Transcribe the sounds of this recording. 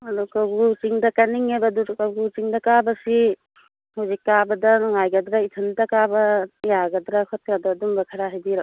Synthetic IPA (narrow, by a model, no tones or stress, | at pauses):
ɐdukɐwɡut͡ʃiŋdɐkɐniŋebɐduɾkɐwɡut͡ʃiŋdɐkabɐsi | huzikːabɐdɐnuŋajɡɐdɾaitʰɯntɐkabɐjaɡɐdɾɐkʰɔt̚kadɔdumbɐkʰɐɾaɦajbiɾa